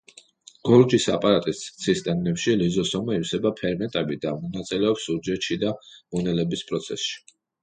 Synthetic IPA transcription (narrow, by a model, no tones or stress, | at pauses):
ɡ̥ɔɾd͡ʒisapʼaɾat̪ʼist̪t̪sʰist̪ʼɛnnɛpʃilizɔsɔmaiwsɛbapʰɛɾmɛt̪ʼɛbid̪amɔnat̪sʼilɛɔpsuɾd͡ʒɛt̪ʃid̪amɔnɛlɛbispʼɾɔt̪sʰɛsʃi̥